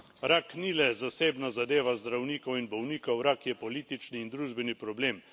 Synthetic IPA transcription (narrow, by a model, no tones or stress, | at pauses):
ɾaknilɛzaseːbnazad̪eːʋazd̪ɾawniːkɔwinbɔwniːkɔwɾakjɛpɔliːt̪it͡ʃniːnd̪ɾuːʒbɛnipɾɔbleːm